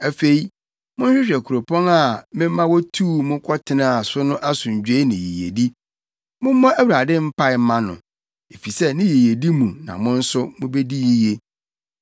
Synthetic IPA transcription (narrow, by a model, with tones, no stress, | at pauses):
æ˨fe˦˨i˦ | mʊ̃˦n̩˦ɕᶣɪ˦ɕᶣɛ˨kʰu˨ɾo˨pʰɔ̃˦na˦˨mɪ̃˦m˦mã˦wɔ˦tʰuː˦mʊ̃˦kʰɔ˦tʰɪ˨nã˦a˨sʊ˦nʊ̃˦ʔa˦sʊ̃˨ɲ˨d͡ʑᶣe˦i˦nɪ̃˨ji˨jḛ˨di˦ | mʊ̃˦m̩˦mɔ̃˦ʔæ˦wu˨ɾa˨dɪ̃˦m̩˦pʰa˦ɪ˨m˦mã˦nʊ̰̃˨ | e˨fi˨sɛ˦nɪ̃˦ji˨je˨di˦mũ˨nã̰˨mʊ̃˦n̩˦sʊ˦mʊ̃˦be˦di˦ji˦je˦